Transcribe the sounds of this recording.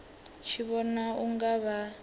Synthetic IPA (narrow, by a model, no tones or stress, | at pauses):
ʃʰiβɔnauŋɡaβa